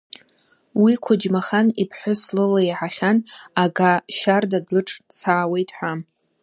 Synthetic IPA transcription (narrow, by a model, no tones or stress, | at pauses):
wikʷʰʊd͡ʒmaχanipʰħʷʊslolaiʕaχʲanaɡaʃardadlɨʈ͡ʂʼt͡sʰaːwe̞jtʰʼħʷam